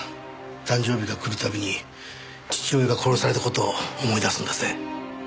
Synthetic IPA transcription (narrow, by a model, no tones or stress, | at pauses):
t̪ãɲ̟d͡ʑo̞ːbʲiɡakɯ̟ɾɯ̟t̪abʲiɲ̟i | t͡ɕi̥t͡ɕioːbʲiɡako̞ɾo̞saɾe̞t̪ako̞t̪o̞ːmo̞id̪asɨ̃nd̪ese